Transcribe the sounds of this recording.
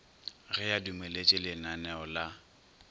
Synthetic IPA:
rɪjadumelet͡ʃʼɪlɪnanɛɔla

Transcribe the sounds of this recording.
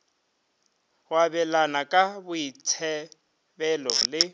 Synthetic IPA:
wabɛlanakʼabʊit͡sʰɛ | bɛlɔlɪ

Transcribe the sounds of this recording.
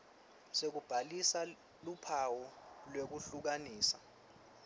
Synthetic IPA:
sek̬ub̥ʱalisa | lupʰawɔlwek̬uɬuk̬aniːsa̰

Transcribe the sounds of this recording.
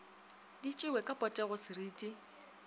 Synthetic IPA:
dit͡ʃʼɪwɛkʼapʼɔtʼɛɣʊsɪriːtʼi

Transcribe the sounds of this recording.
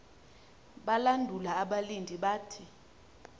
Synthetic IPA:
ɓalandʱulaːɓalindʱiɓaːtʰi

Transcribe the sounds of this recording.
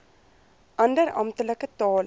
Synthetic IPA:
ʔɐndəɾɐ̰mt̪ələkət̪ɑːl

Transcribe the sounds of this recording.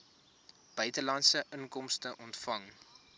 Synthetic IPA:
b̥œɥtəlɐntsəʔəŋkɔmstəʔɔntfɐŋ

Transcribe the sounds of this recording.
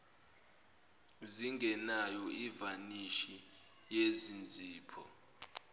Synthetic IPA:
ziŋɡʱɛnajɔivaniʃi | jezind͡zʱiːpʰɔ

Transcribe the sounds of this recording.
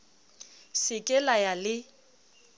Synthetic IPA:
sɪkʼɛlajalɪ

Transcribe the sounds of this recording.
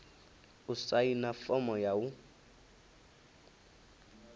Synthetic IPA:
usainafɔmɔjawu

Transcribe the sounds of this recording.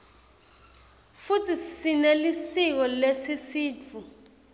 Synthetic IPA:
futʰisinelisik̬ɔlesisiːt͡fʰu

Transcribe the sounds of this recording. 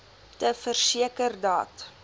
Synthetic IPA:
təfərsiəkərdɑ̰ːt

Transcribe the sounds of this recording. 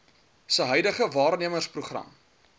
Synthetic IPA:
səɦœjdəχəvɑːrniəmərspruχrɐ̰m

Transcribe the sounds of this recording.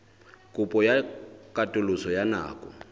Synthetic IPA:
kʼupʼɔjakʼatʼʊlʊsɔjana̰ːkʼɔ̰

